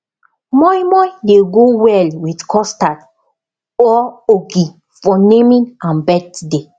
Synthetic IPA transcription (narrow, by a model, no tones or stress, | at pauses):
mɔimɔjdeɡowɛlwidkʰɔstat | ɔoɡi | fɔnemĩnãnbɛtde